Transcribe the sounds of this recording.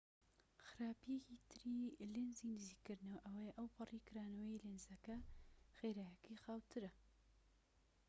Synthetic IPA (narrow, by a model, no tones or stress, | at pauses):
xɨɾaːpijekiːt̪ʰɨɾiːlɪnziːnɨziːkːɨɾnɐwʔɐwɐjʔɐwpʰɑriːkʰɨɾaːnowjilɪnzɐkɐxeːɾajɐkixaːwt̪ʰɨɾɐ